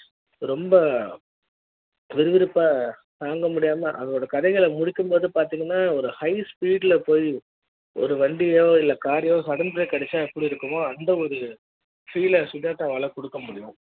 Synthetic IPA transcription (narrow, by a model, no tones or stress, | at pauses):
ɾɔmbɐ | ʋɪɾɯʋɪɾɯpːaː | t̪aːŋɡɐmʊɽɪjaːmɐʔɐ̰ðɐoːɽɐkɐðɛɪɣɐɭmʊɽɪkːɯmboːðɯpaːɾt̪iːŋɡɐnːaːɔɾɯhɐɪspiːɽɪlɐpoːji | ɔ̰ɾɯʋɐɳɖɪjoːɪlːɐkaːɾɪjoːsɐɽɐnbɯɾɐkɐɽɛt͡ʃːaːɛpːɐɽiɪɾɯkːɯmoːɐnd̪ɐɔɾɯ | fiːlɐsʊðaːʈːaːʋɐːlɐkɔɽɯkːɐmʊɽɪjʊ̰̃